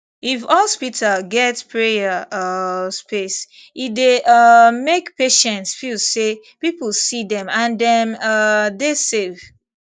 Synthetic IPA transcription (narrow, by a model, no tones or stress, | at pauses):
ifhɔspitʰalɡɛtpʰɹejə | spes | ideʔʌmekpeʃɛ̃ntsfilse | piplsiðɛ̃mãndɛ̃mʌdesev̥